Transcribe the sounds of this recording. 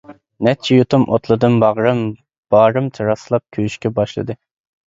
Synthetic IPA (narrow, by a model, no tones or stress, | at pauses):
nɛt͡ʃʰijut̪ʰumʔo̰t̪lˠɨd̪ɨmbɑʁɾɨm | b̥ɑːɾɨmt̪ʰɨɾɑslˠɑp̚kʲʰøyʃkʲɛbɑʃlˠɨ̰d̪ɨ